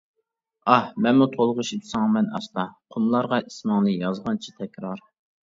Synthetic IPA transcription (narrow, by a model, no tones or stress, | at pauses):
ɑhmɛnmut̪ʰolˠʁʊʃit̪ʰsɑŋmɛnɑ̰st̪ɑqʰʊmlˠɑɾʁɑismɑŋlˠɨjɑzʁɑnt͡ʃʰi̥t̪ʰɛkʲɾɑɾ